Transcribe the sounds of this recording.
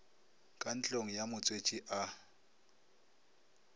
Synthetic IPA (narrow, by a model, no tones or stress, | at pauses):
kʼan̩t͡ɬʼoŋ̩jamʊt͡sʼwet͡ʃʼiʔa